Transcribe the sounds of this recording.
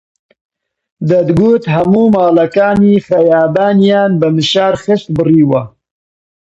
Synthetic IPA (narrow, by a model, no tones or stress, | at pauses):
d̪ɐd̪ɡuːt̪hɐmuːmaːlɐkaːniːxɐjaːbaːnjaːnbɐmɨʃaːɾxɨʃt̪bɨriːwɐ